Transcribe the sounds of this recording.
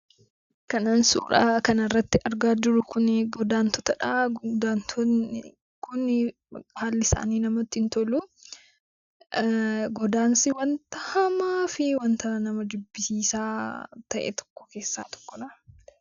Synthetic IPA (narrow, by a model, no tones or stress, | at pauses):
kɐnaːnsṵːɾa̰kɐnɐɪrːɐt̪ːɪʔɐɾɡaːd͡ʒʊɾʊkʊnɡɔd̪aːnt̪ɔt̪ɐᶑad̪aːnt̪ʰɔn | kʊnɪ | haːlːɪsa̰ːniːnɐmɐt̪ːɪnt̪ɔlu | ɡɔd̪aːnsɪwɐnt̪ɐhɐmaːfɪwɐnt̪ɐnɐmɐd͡ʒʊbːɪsiːsaːt̪ɐʔɛ̰t̪ɔ̥kːɔ̥ke̞ːsːa̰ːt̪ɔ̥kːɔᶑɐ